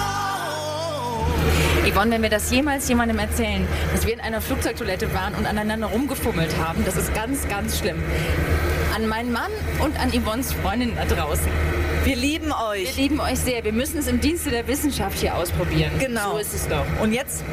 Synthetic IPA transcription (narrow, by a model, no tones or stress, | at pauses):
vɪvɔlənvɛnviːɐdasjeːmaːlsjeːmandəmɛɐt͡sɛːlənd̥asv̥iːɐɪnʔaɪnɐfluːk̚t͡sɔʏktʰʊɐlɛtəvaːʁənʊntanaɪnandɐʁ̞ʊmɡəfʊml̩thaːbm̩d̥asɪst̚ɡ̥ant͡sɡ̥ant͡sʃlɪm | ʔanmaɪnənmanʔʊntʔanimɔnsfʁ̥ɔʏndɪnəndadʁaʊsn̩viːɐliːbm̩ɔʏɐliːbm̩ɔʏçz̥eːɐviːɐmʏsn̩ɛsɪmdiːnstədeːɐvɪsn̩ʃafthiːɐʔa̰ʊspʁ̥obiːʁ̞ənɡ̥ənazoɪstɛsd̥ɔχʔʊntjɛt͡st